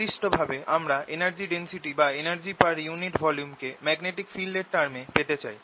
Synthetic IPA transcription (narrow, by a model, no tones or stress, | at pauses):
iʃʈobʱabeʔamɾaʔenaɾd͡ʑiɖensiʈibaenaɾd͡ʑipaɾjuniʈbɔljumkemɛɡneʈikfilɖeɾʈaɾmepet̪et͡ɕa̰j